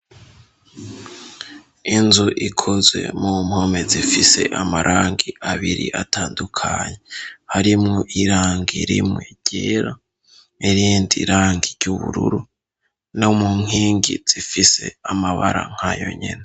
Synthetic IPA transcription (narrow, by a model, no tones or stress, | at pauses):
inzuʔikʰozwe̞̰mum̥ho̞me̞zifise̞̰ʔamaɾʔaːŋɡiʔaβiɾḭʔataːndukʰaɲehaɾimŋoʔiɾaːŋɡiɾimŋeɟ̥eːɾa | iɾiːndiɾaːŋɡiɾɟuβuɾṵɾu | nomuŋɦiːŋɡiz̥ifise̞amaβaɾa̰ŋ̥hajo̞̰ɲḛne